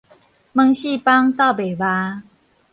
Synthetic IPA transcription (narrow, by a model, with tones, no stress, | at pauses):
mə˧ŋɕi˥˧˨pa˦ŋt̪a˥˩be˨˩ba˧˦